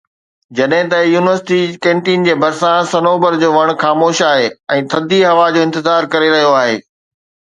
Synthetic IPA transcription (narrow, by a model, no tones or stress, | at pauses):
d͡ʑɐɗɦɪ̃t̪ɐjuːnɪʋəɾsɪ̥ʈikẽːɳʈind͡ʑeːbʱɐɾsãsɐnoːbəɾd͡ʑoːʋɐɽ̃xaːmoːʃaːɦeɛ̃ːt̪ʰɐd̪ʱiɦɐʋad͡ʑoːɪ̃nt̪ɪzaːɾkɐɾeɾɐɦijoaːɦḛː